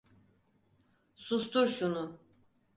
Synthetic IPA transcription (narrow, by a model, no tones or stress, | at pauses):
sust̪uɾʃunʊ